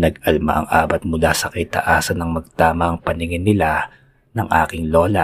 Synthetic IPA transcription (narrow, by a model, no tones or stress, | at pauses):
nɐɡɐlma̰ʔɐŋʔaːbɐt̪̚mʊlasɐkɐɪt̪ɐ̰ʔaːsɐnɐŋmɐɡ̚t̪aːmɐʔɐŋpɐnɪŋɪnːɪla | nɐŋʔa̰ːkɪŋlo̞ːlɐ